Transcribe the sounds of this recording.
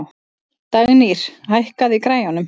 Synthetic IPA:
w | t̪aɣniɾ̥hajhkaðikɾaːjanʏm

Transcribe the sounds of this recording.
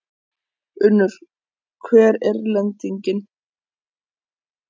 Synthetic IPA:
ʏnːʏɾ̥ | kʰvɛːɾɛɾlɛnt̪iɲcɪn

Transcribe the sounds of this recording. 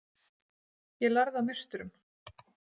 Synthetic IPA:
jɛlaɾðamɪr̥st̪ʏɾʏm

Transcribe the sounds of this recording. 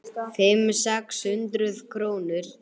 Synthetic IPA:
fɪmsɛkshʏnt̪ɾʏðkʰɾoːwnʏɾ̥

